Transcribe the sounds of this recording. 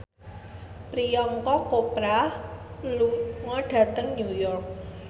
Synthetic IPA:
pɾijɔŋkɔkopɾahluŋɔɖ̥ä̤t̪əŋɲujɔrk̚

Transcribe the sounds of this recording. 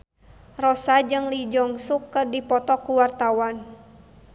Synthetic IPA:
rɔsad͡ʒɨŋlid͡ʒɔŋsukːɨrdipɔt̪ɔkuwart̪awan

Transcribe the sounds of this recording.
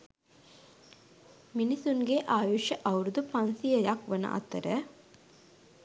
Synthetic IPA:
minisuŋɡeʔaːjoʃəʔɐwɾud̪upansijəjakʋənə̰ʔa̰t̪əɾə

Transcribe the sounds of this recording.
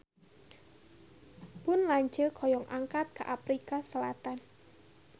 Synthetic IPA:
pʊnlaɲt͡ʃəkʰɔjɔŋʔaŋkat̪̚kaʔapɾikasəlat̪an

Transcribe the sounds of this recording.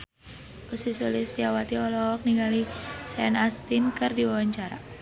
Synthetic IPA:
ʔusisulisdiawat̪iɔlɔk̚niŋɡalisɛnast̪inkɨrdiwawaɲt͡ʃaɾa̰

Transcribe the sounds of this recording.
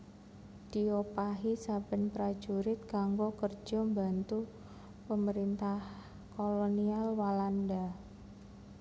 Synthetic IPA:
d̥iopaɦisab̥ə̤npɾḁd͡ʒuɾɪt̪̚kaŋɡokərd͡ʒɔmba̤nt̪u | pəməɾint̪ah | kolonialwalanda

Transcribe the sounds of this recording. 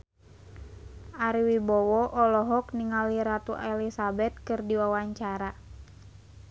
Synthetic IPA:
ʔaɾiwibɔwɔʔɔlɔɦɔk̚niŋaliɾat̪uʔɛlisabɛt̪̚kɨrdiwawaɲt͡ʃaɾa

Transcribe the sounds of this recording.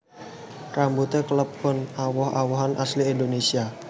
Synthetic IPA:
rambut̪ekələp̚kʊnawɔhawɔɦanʔasliːndonesia

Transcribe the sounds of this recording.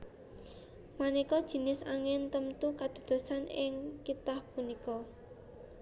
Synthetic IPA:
manikɔd̥ʒ̥i̤nɪsaŋɪnt̪əmt̪ukad̪̥o̤d̪̥o̤sanɪŋkit̪ahpunikɔ

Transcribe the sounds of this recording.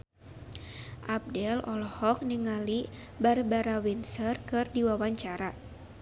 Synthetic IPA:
ʔab̚dɛlɔlɔhɔk̚niŋali | barbaɾawinsərkɨrdiwawaɲt͡ʃaɾa

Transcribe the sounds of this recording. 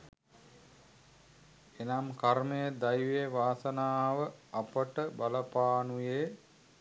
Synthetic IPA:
enamkaɾməjəd̪ɐjʋeʋaːsənaːʋəɐpəʈəbɐləpaːnujeː

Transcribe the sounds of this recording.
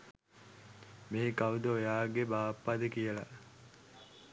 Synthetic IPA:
meɦekaʋud̪əojaːɡebaːpːad̪əkijəla

